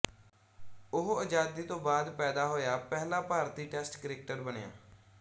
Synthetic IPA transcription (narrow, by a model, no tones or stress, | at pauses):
ʊɦəd͡ʒaːd̪iːt̪õːbaːd̪pɛːd̪aːɦoːjaːpɛːlaːpaːɾt̪iːʈɛːsʈkəɾeːk̚ʈəɾbənja̰ː